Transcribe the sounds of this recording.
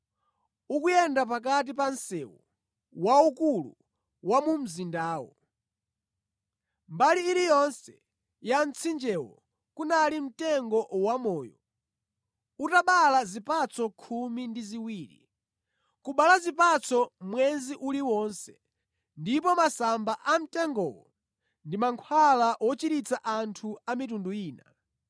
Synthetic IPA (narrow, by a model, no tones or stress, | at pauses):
ukujɛndap̬ak̬at̬ipansɛwṵ | waukulṵ | wamum̩zindaːwɔ̰ | mbaliːɾijɔnsɛ | jant͡sʰind͡ʒɛwɔ̰ | kunalim̩tɛŋɡɔwamɔːjɔ̰ | utaɓalazipat͡sʰɔkʰumindiziwiːɾḭ | kuɓalazipat͡sʰɔmwɛnziʔuliwɔnsɛ | ndipɔmasambaʔam̩tɛŋɡɔ̰wɔ | ndimaŋkʰwalaʔwɔt͡ʃiɾit͡saʔantʰuamitunduiːna